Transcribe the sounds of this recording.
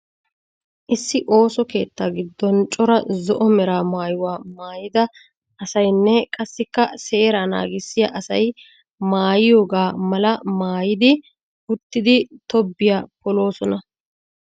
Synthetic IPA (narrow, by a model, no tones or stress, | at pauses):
ʔɪsːɪʔo̞ːsɔke̞ːt̪ːaːɡɪd̪ːɔnt͡ʃʼɔɾɐzɔʔɔmɛɾaːmaːjʊwaːmaːjɪd̪ɐ | ʔɐsɐjnːɛkʼɐsːɪkːɐse̞ːɾaːna̰ːɡɪsːɪjɐʔɐsɐj | maːjɪjo̞ːɡaːmɐlɐmaːjɪd̪ɪ | ʊt̪ːɪd̪ɪt̪ɔbːɪjaːpɔlo̞ːsɔnɐ